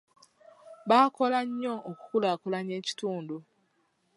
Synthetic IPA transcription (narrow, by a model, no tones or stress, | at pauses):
βaːkolaɲːooku̥kulakulaɲeːci̥tuːndu